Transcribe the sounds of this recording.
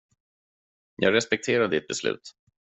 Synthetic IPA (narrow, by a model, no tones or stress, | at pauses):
jʔɑːɡɾɛspɛk̚t̪ʰeːɾad̪d̪ɪt̪̚bɛslʉ̟̰ːt̪